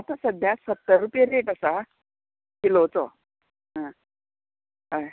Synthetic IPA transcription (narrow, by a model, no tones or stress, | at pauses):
at̪əsəd̪ʱjasət̪ːəɾːupjeɾeʈasa | kilot͡sɔ | ɦə̃ | ɦaj